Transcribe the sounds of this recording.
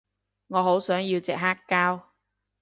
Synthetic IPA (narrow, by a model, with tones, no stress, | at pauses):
ŋɔː˨˧ɦo˨˥wsœː˨˥ŋji˧wt͡sɛː˨k̚ɦaː˥kːaː˥w